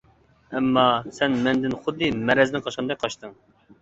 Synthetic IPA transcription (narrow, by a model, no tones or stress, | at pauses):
ɛmːɑsɛnmɛnd̪ɪnχʊd̪ːɨmɛɾɛzɪnɪqʰɑʃqɨnd̪ɛk̚ʲqʰɑʃt̪ɨŋ